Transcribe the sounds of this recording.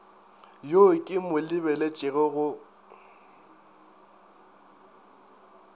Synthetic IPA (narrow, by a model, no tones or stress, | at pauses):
jokʼɪmʊlɪβɛlet͡ʃʼɪɣɛɣʊ